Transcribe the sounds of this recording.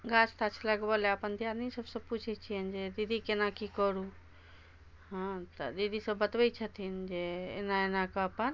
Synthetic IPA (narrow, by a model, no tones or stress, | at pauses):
ɡat͡ʃt̪at͡ʃʰləɡbəleəpənd̪ʱjad̪nisəbsə̃put͡ʃʰɛt͡ʃʰiənd͡ʒed̪id̪ʱikenakikəɾu | ɦãt̪əd̪id̪ʱisəbːət̪bɛt͡ʃʰət̪ʰind͡ʒeḛnaenakɔəpən